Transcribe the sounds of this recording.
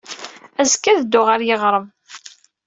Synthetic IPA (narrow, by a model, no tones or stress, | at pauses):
æzkːæðəd̪ːʊʁaɾjəʁɾˤəm